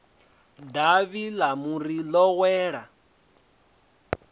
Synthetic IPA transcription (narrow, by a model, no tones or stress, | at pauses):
daβilamuɾilɔwɛːɺa